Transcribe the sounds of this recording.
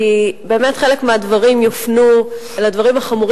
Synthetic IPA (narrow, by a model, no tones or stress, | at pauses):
ibe̞ːmetχe̞le̞kmeadvaʁimjofnu | eladvaʁimaχamuʁ